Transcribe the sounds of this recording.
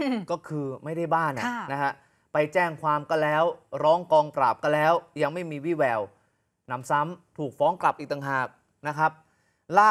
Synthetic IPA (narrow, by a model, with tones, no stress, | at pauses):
kɔː˥˩kʰɯː˧ma˥˩jda˥˩jbaː˥˩nʔa̰˨na˦˥kʰa˦˥ | pa˧jt͡ɕɛː˥˩ŋkʰwaː˧mkɔ˥˩lɛː˦˥wɾɔː˦˥ŋkɔː˧ŋpɾaː˨˩p̚kɔ˧˥˩lɛː˦˥wja˧ŋma˥˩jmiː˧wi˦˥˩wɛː˨˩w | na˩˦msa˦˥mt̪ʰuː˨˩k̚fɔː˦˥ŋkla˨˩p̚ʔiː˨˩t̪a˨˩ŋɦaː˨˩k̚ | na˦˥kʰa˦˥p̚ | laː˥˩